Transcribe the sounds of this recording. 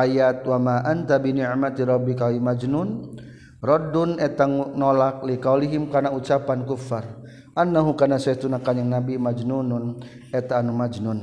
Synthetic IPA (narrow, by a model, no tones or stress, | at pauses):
ʔajat̪̚wamaʔant̪abiniʕmat̪iɾɔbːikawimad͡ʒnun | rɔdunɛt̪aŋnolak̚likawliɦimkanaut͡ʃapankufːar | ʔanːaɦukanasɛt̪unakaɲaŋnabimad͡ʒnunun | ɛt̪aːnumad͡ʒnun